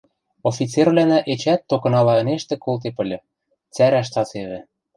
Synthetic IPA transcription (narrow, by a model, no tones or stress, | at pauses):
ofʲit͡serβlænæʔet͡ɕæt̪ːokɤ̆nɑlɑɤ̆neʃt̪ĕkolt̪̬epɤ̆lʲɤ̆ | t͡sæɾæʃ̬t̪ɑt͡seβɘ̆